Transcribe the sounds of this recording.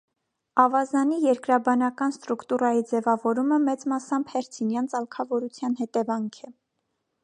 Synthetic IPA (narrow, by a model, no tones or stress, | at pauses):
ɑvɑzɑnijɛɾkɾɑbɑnɑkɑnst̪ɾukt̪urɑjid͡zɛvɑvɔɾuməmɛt͡smɑsɑmbhɛɾt͡sʰinjɑnt͡sɑlkʰɑvɔɾut͡sʰjɑnhɛt̪ɛvɑŋkʰɛ